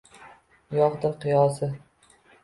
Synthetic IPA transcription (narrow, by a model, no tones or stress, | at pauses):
jɒʁd̪ɪɾqɨjɒsɪ